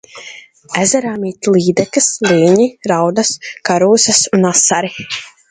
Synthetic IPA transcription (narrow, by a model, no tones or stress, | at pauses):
æzɛɾaːmiːt̪lˠiːd̪ɛkɨsliːɲiɾawd̪askaɾuːsɐsunasaɾi